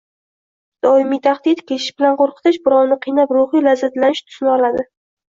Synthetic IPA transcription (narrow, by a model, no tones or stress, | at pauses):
d̪̥ɒɪmijt̪ʰaχd̪ɪt̪kʲʰeʃɪ̥bɪlanqʰoɾqʰɨ̥t̪ʰɪʃbɪɾɒwnɪqʰijnapɾoχijlazat̪lanɪʃt̪ʰʊ̥snɪɒlad̪ɪ